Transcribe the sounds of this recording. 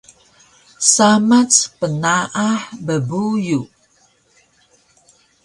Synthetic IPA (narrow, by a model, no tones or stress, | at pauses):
samat͡spənaʔaħbəbuju